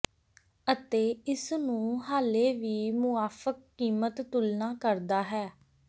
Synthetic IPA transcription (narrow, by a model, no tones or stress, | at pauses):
ət̪eːɪsnũːɦaːleːʋiːmʊaːfʰəkːiːmət̪ːʊlnaːkəɾd̪aːɦɛː